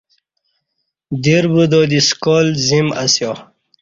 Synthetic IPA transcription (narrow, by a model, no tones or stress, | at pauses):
d̪iɾbud̪oːd̪iskoːlzimasjo